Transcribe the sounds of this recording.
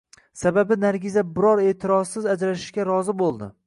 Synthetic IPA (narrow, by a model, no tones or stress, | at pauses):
sababɪnaɾɡʲɪzabɪɾɒɾe̞ːt̪ʰɪɾɒsːɪzad͡ʒɾat̪ɪ̥ʃkʲaɾɒzɪbolˠd̪ɪ